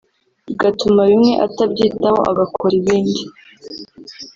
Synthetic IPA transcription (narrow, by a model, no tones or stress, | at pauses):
ɡatumaβimŋe̞ʔatabɟiːtaho̞̰ʔa̰ɡakʰoɾiβiːndi